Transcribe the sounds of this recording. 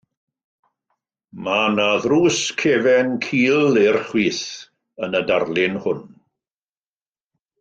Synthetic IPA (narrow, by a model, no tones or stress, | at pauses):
manaðruːskʰeːvɛnkʰiːlˠerχwiːθ | ənədarlˠɪnhʊn